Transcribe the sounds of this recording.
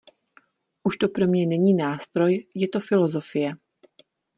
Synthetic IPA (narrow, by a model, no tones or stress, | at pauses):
ʔuʃt̪o̞pɾo̞mɲɛnɛɲiːnaːst̪ɾo̞jjɛt̪o̞fɪlo̞zo̞fɪjɛ